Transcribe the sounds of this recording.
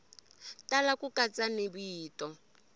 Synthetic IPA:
talakukat͡sanibiːtɔ

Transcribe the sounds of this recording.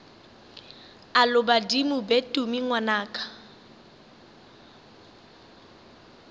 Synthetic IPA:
alʊbadimʊbetʼumiŋwanaːkʼḁ

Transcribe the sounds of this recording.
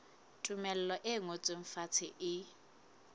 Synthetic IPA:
tʼumɛlɛlɔʔɪŋot͡sʼɪɱ̩fat͡sʰɪʔɪ

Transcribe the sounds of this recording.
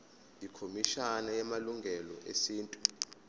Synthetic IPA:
ndʱikʰomiʃanajɛmaluŋɡʱɛlɔʔesiːntʼu

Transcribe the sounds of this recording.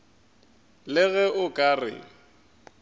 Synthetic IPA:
lɪɣɛʔʊkʼarɪ̰

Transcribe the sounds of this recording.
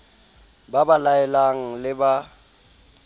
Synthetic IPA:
babalaɛlaŋ̩lɪba

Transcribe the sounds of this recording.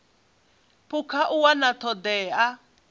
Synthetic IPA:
pʰukʰaʔuwanat̪ʰɔd̪ɛːa

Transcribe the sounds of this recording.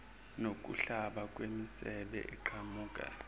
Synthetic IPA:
nok̬ʼṵɬaɓak̬ʼwemisɛɓɛ̰ʔɛǃʰamuːkʼa̰

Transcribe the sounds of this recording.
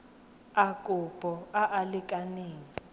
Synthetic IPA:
akʼʊpʼɔaʔalɪkʼaneːŋi

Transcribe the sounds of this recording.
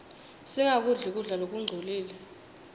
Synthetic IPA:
siŋak̬ʼuɮɛk̬ʼuɮalok̬ʼuŋ͡ǀʱoliːlɛ

